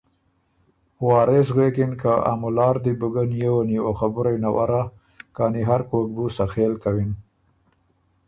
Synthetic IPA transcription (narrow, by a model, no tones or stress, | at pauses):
wɑːɾes̬ɣekɪnkaa̰mulɑːɾd̪ibuɡanjewaniwoxabʊɾajnawa̰ɾa | kɑniɦaɾkok̚busaxelkawin